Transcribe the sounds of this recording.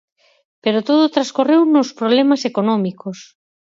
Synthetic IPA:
peɾot̪oðot̪ɾaskorewnospɾoβlɛmasekonɔmikos

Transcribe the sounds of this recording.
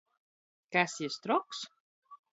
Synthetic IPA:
kasiest̪ɾɔks

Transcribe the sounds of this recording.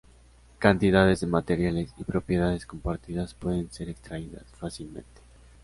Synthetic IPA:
kant̪iðaðe̞zðemat̪e̞ɾjalesipɾo̞pje̞ðaðe̞sko̞mpaɾt̪iðaspwe̞ðe̞nse̞ɾekst̪ɾaiða̰sfasilmẽ̞̰nt̪e̥

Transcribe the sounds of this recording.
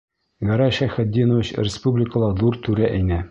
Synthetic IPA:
ɡɑɾɑʃæχæd̪ːinŏvɘt͡ɕrʲɪspublʲɪkə̆lˠɑðuɾt̪ʉɾæʔæjnæ

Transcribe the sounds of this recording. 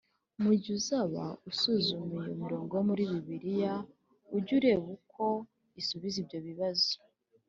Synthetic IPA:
muɟuzaβa̰usuzumijo̰miɾo̞ːŋɡoomuɾiːβiβiɾija | uɟuɾe̞βukʰo̞ | isuβizibɟo̞βiβazo̥

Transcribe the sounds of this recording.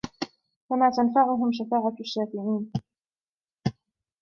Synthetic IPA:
famaːt̪anfaʕʊɦʊmʃ̬afaːʕaʃːaːfɪʕiːn

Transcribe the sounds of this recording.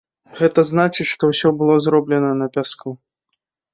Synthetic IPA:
ɣɛt̪ɐznat͡ʂɨt͡ɕʂt̪ɔwsʲɔbɨlˠɔzɾɔblʲɛnɐnɐpʲasku

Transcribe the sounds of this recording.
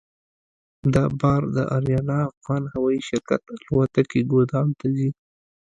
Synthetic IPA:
d̪ɑbɑɾd̪əʔaɾjɑnɑːfɣɑnhawɑiʃɪɾka̰t̪lwat̪akeɡod̪ɑmt̪azi

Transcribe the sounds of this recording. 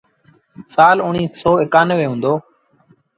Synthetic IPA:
saːlʊɳiːsɔːɪkaːnəʋeːɦũːnd̪oː

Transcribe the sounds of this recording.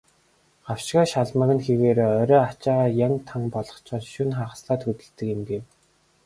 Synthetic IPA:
ɢ̥aw̥ʃɡaːʃaɮmə̆ɣɘ̆nxeɣeːɾeːɔɾʲœːat͡ɕaːʁaːjaŋt̪ʰaŋpɔɮɞ̆χt͡ɕɔːɮʃɵnχaʁə̆sɮaːt̪xɵt̪ɘ̆ɮt̪ɘ̆kɪ̆mɡew

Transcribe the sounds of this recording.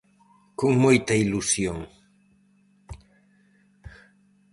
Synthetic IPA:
koŋmojt̪ɐilusjoŋ

